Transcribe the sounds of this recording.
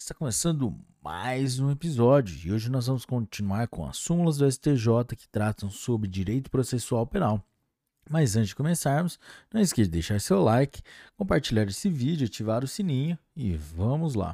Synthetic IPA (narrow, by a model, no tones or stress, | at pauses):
ɪ̥st̪akõmesɐ̃nd̪ʊma̰jzũepizɔd͡ʒjʊɪ̰oʒɪnɔzvɐ̃mʊskõt͡ʃinuaɾkõɐ̰sũmulɐzd̪ʊɛsɪ̥t̪eʒɔt̪ɐkɪ̥t̪ɾat̪ɐ̃w̃sobɾɪd͡ʒiɾejt̪ʊ̥pɾosesuawpenaw | mazɐ̃t̪t͡ʃɪzd͡ʒɪkõmesaɾmʊsnɐ̃w̃ɪskeɾd̪ejʃaɾsewlajkɪ̥kõpaɾt͡ʃiʎaɾesɪvid͡ʒʊat͡ʃivaɾʊsinĩɲɐɪ̰vɐ̃mʊzla̰